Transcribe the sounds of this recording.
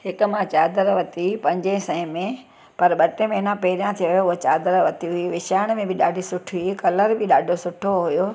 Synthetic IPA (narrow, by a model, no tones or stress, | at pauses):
hɪkʊ̆mãt͡ɕaːd̪əɾʋɐt̪ipɐ̃ɪ̃ɲd͡ʑẽsɐ̃ɪ̃mẽ | pɐɾɓɐʈẽmẽɦɪnãpeːɪɾjãt̪ʰijoɦijoʊɦot͡ɕaːd̪əɾʋɐt̪iɦʊiʋɪʃaːɪɽ̃mẽbɪɗaːɖʱisʊʈʰɦuikɐləɾbɪɗaːɖʱosʊʈʰoɦʊjo